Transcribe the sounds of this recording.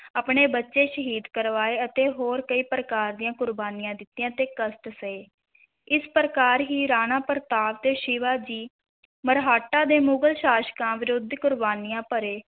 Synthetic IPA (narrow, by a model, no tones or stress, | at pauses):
aːpɳeːbətːʃeːʃəɦiːd̪kəɾʋaːeːət̪eːɦoːɾkəiːpɾəkaːɾd̪ijãːkʊɾbaːnɪjãːd̪ɪt̪iːãːt̪eːkəsʈsəeː | ɪspɾəkaːɾɦiːɾaːnãːpəɾt̪aːʋt̪eːʃɪʋaːd͡ʒiː | məɾɦaːʈaːd̪eːmʊɡəlʃaːʃkãːʋɪɾʊd̪ʱkʊɾbaːnɪjãːpəɾeː